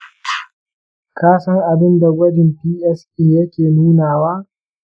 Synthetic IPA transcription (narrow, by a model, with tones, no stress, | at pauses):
kaː˦sɐ˦ŋʔa˨bɪ˦nda˨ɡʷɐ˦dɪ˨mpiː˦ʔɛ˦skʲʼeː˨jɐ˦kʲeː˨nuː˦naː˨waː˦